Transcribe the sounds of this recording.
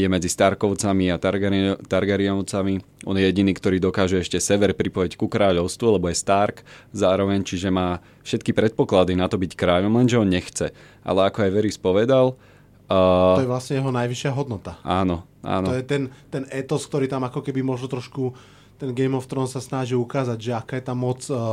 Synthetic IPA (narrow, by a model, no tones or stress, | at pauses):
jɛmɛd͡zist̪aɾkɔʊt͡samiat̪aɾɡt̪aɾɡaɾiɔʊt͡samiʔɔ̰njɛjɛɟiniːkt̪ɔɾiːd̪ɔkaːʒɛɛʃcɛsɛʋɛɾpɾipɔjickukɾaːʎɔʊst̪ʋualɛbɔjɛst̪aɾkzaːɾɔʋɛɲt͡ʃiʒɛmaː | fʃɛt̪kipɾɛt̪̚pɔklad̪inat̪ɔbickɾaːʎɔmlɛnʒɛɔnɲɛxt͡sɛ | ʔa̰lɛakɔajʋɛɾispɔʋɛd̪alː | ɔjɛʋlasɲɛjɛɦɔnajʋiʃɪaɦɔd̪nɔt̪aaːnɔ | ʔa̰ːnɔjɛt̪ɛnt̪ɛnɛt̪ɔsk̚t̪ɔɾiːt̪amakɔkɛbimʊɔʒnɔt̪ɾɔʃku | t̪ɛnɡɛjmɔft̪ɾɔnsasnaʒilukaːzaɟʒɛakaːjɛt̪amːɔt͡s